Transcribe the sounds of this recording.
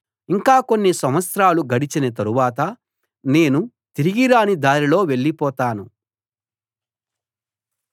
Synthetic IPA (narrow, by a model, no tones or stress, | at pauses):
iŋkaːko̞nːisɐmɐsɾaːluɡɐɽit͡ʃinɐt̪̬ɐɾuʋaːt̪ɐ | ne̞ːnu | t̪iɾiɡiɾaːnid̪aːɾilo̞ːʋe̞ɭːipɔːt̪aːnu